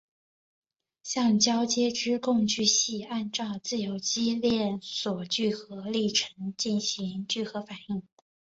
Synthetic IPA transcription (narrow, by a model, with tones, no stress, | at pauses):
ɕjɑ˥˧ŋt͡ɕjɑ˥ʊt͡ɕjɛ˥ʈ͡ʂɻ̩˥kʊ˥˧ŋt͡ɕy˥˧ɕi˥˧a˥˧nʈ͡ʂɑ˥˧ʊt͡sɹ̩˥˩jo˧˥ʊt͡ɕi˥ljɛ˥˩nswɔ˨˩t͡ɕy˥˩xɤ˧˥li˥˩ʈ͡ʂʰɤ˧˥ŋt͡ɕi˥˩nɕi˧˥ŋt͡ɕy˥˩xɤ˧˥fa˨˩˦ni˥˩ŋ